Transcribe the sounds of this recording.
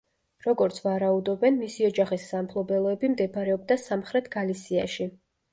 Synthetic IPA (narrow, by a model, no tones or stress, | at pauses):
ɾɔɡɔɾt̪sʰvaɾaud̪ɔbɛnmisiɔd͡ʒaχisːampʰlˠɔbɛlˠɔɛbimd̪ɛpʰaɾɛɔb̚d̪asamχɾɛt̪ʰɡ̥alisia̰ʃi